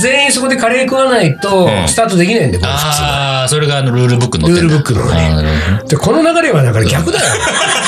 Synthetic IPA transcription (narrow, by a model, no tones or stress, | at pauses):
ze̞ĩso̞ko̞d̪e̞kaɾeːkɯβanait̪o̞st̪aːt̪o̞d̪e̞kʲinaĩnd̪eko | so̞ɾeɡaːnoɾɯ̟ːɾɯbɯkːɯnɾɯ̟ːɾɯbɯ̟kːɯno̰nḛd̪ekʰo̞no̞naɡaɾe̞βanakaɾɡʲakɯd̪ajo